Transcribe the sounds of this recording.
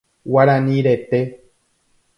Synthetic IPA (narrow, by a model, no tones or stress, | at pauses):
waɾãnĩɾet̪e